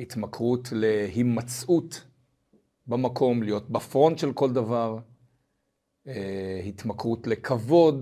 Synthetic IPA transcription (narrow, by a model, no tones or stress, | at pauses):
hit̪makʁutle̞himat͡sut | bamakʰo̞mlijo̞t̚bafʁo̞nʃelko̞ld̪avaʁ | ehit̪makʁutle̞kʰavo̞d